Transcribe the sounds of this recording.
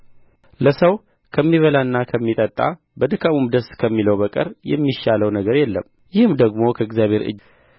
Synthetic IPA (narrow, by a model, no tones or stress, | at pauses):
ləsəw | kʰəmːiβəlaɨnːakʰəmːit̪ʼət̪ʼːa̰ | bəd̪ɨkʰʼamumd̪əskʰəmːiləwbəkʼə̰ɾjɛ̰mːiʃaləwnəɡəɾjɛlːəm | jɪhɨmd̪əɡmo̞kʰəɪɡzjaβʱe̞ɾɨ̰d͡ʒ